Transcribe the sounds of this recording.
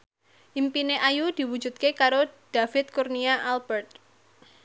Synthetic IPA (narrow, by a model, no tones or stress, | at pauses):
ʔimpineʔajud̥̪i̤wu̥d͡ʒṳt̪̚kekaɾod̥afɪt̪̚kurniaʔalbɛrt̪̚